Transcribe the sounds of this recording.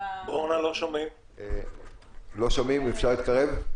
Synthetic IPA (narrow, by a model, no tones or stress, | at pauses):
bʁonalo̞ʃomim | lo̞ʃomimefʃaʁliːt̪̚kaʁev